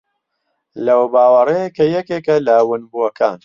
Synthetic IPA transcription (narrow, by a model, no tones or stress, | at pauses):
lɐwbaːwɐrejkɐjɛkeːkɐlɐwʊnbuwɐkaːn